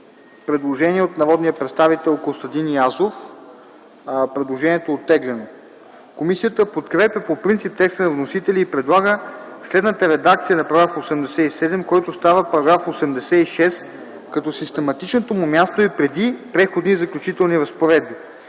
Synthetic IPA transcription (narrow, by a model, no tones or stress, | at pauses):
pɾɛd̪lˠoʒɛniɛot̪nɐvɔd̪nijəpɾɛt̪st̪avit̪ɛlˠkolˠst̪ɐd̪iniazof | pɾɛd̪lˠoʒɛniɛt̪oːt̪ːɛɡlɛno | komisijət̪əpot̪kɾɛpʲjəpopɾint̪sip̚t̪ɛkst̪ənɐvnosit̪ɛliːpɾɛd̪lˠaɡəslɛd̪nət̪əɾɛd̪ak̚t̪sijənɐpɾɐɡɾafosɛmd̪ɛsɛisɛd̪ɛmkɔjt̪ost̪avəpɐɾɐɡɾafosɛmd̪ɛsɛiʃɛs | kɐt̪ɔsist̪ɛmɐt̪it͡ʃnot̪omumʲast̪oipɾɛd̪ipɾɛxod̪nizɐklʲut͡ʃit̪ɛlˠniɾəspoɾɛd̪̚bi